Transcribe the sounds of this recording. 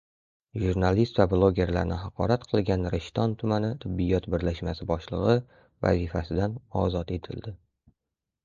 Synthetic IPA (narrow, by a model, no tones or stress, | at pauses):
ʒuɾnalist̪vablˠoɡʲe̞ɾla̰ɾnɪɦɑqʰɒ̰ɾat̪qʰɨlˠɡʲanɾɪʃt̪ɒnt̪ʰʊmanɪt̪ʰɪbːijɒt̪bɪɾlaʃmasɪbɒʃlˠɨ̰ʁɨ | va̰zifasɪd̪anɒzɒt̪e̞t̪ʰɪ̰ld̪ɪ